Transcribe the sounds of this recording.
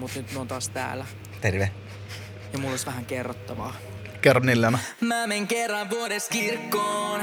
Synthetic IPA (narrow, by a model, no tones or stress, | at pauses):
mut̪nyt̪nyont̪ɑːst̪æ̰ːlæ | t̪erʋe | jɑmulːosʋæhæŋkerːot̪ːɑʋɑː | kerːɑnːilːænɑmæːmeŋkerːɑnʋuoɾeskirkːoːn